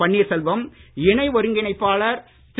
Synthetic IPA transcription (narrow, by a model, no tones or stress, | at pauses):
ɐɳːɪsɛlʋɐmɪɳɐɪʋɔɾɯŋɡɪnɐɪpːaːɭɐɾ | t̪